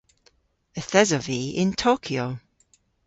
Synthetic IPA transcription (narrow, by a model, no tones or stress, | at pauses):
əθɛzɔviɪ̰̃ntʰoːkʰjo